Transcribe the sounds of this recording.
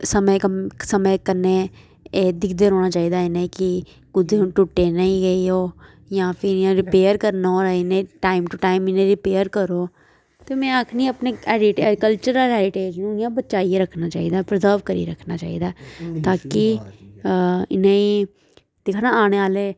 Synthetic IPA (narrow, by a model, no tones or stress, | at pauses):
səməksəməːkənːeː | eːd̪ɪkʰd̪eːɾɔːɽ̃aːt͡ʃaːiːd̪aːɪnẽːkɪ | kʊd̪ẽːʈʊʈːeːnəĩːɡəioː | jãːpʰɪɾãɾɪpeːəɾkəɾnaoɾɪnẽːʈaːɪmʈuʈaːimɪnẽːɾɪpeːəɾkəɾoː | t̪eːmɛ̃ːəkʰniːəpneɛːɾɪʈːɾkəlt͡ʃəɾəlɦɛːɾɪʈeːd͡ʒnũːɪjãːbətːt͡ʃaːieɾəkʰnaːt͡ʃa̰ːiːd̪aːpɾəzəːɾʋkəɾḭːɾəkʰnaːt͡ʃa̰ːḭːd̪aːt̪aːkɪ | ɪnẽːiː | d̪̥ɪkʰnaːaːɽ̃eːaːleː